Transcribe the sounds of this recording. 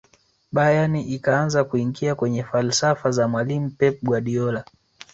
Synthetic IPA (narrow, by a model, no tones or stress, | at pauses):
ɓajaniʔikaanzakuiŋɡiakwɛɲɛfalsafazamwalim̩pɛp̚ɡwaɗiɔla